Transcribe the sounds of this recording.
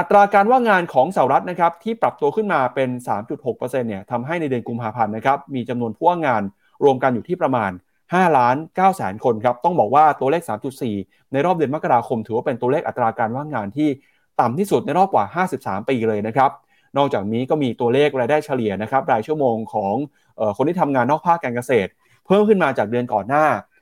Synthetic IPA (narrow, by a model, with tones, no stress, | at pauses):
ʔa˨˩t̪ːɾaː˧kaː˧nwaː˥˩ŋaː˧nkʰɔː˩˦ŋsa˨˩˨ɾa˦˥t̪̚na˦˥kʰɾa˦˥p̚t̪ʰiː˥˩pɾa˨˩p̚t̪u˧əkʰɯ˥˩nmaː˧pe˧nsaː˩˦mt͡ɕu˨˩t̪̚ho˨˩k̚pɤː˧se˧nːi˥˩ɐt̪ʰa˧mɦa˥˩jna˧jdɯ˧ənku˧mpʰaː˧pʰa˧nːa˦˥kʰɾa˦˥p̚miː˧t͡ɕa˧mnu˧ənpʰuː˥˩waː˥˩ŋaː˧n | ɾu˧əmka˧njuː˨˩t̪ʰiː˥˩pɾa˧maː˧n | haː˥˩laː˦˥nkaː˥˩wsɛː˩˦nkʰo˧nkʰɾa˦˥p̚t̪ɔ˥˩ŋbɔː˨˩k̚waː˥˩t̪u˧əleː˥˩k̚saː˩˦mt͡ɕu˨˩t̪̚siː˨˩ | na˧jɾɔː˥˩p̚dɯ˧ənma˦˥ka˧ɾaː˧kʰo˧mt̪ʰɯː˩˦waː˥˩pe˧nt̪u˧leː˥˩k̚ʔa˨˩t̪ːɾaː˧kaː˧nwaː˥˩ŋaː˧nt̪ʰiː˥˩ | t̪a˨˩mt̪ʰiː˥˩su˨˩t̪̚na˧jɾɔː˥˩p̚kwaː˨˩ɦaː˥˩si˨˩p̚sa̰ː˩˦mpiː˧lɤː˧jna˦˥kʰɾa˦˥p̚ | nɔː˥˩k̚t͡ɕaː˨˩k̚niː˦˥kɔː˥˩miː˧t̪u˧ɐleː˥˩k̚ɾaː˧jdaː˥˩jt͡ɕʰa˧li˨˩əna˦˥kʰɾa˦˥p̚ɾaː˧jt͡ɕʰu˥˩əmoː˧ŋkʰɔː˩˦ŋ | ʔɤː˨˩kʰo˧nt̪ʰiː˥˩a˧mŋaː˧nːɔː˥˩k̚pʰaː˥˩kːaː˧nka˧seː˨˩t̪̚ | pʰɤː˥˩mkʰɯ˥˩nmaː˧t͡ɕaː˨˩k̚dɯ˧ənkɔː˨˩nːaː˥˩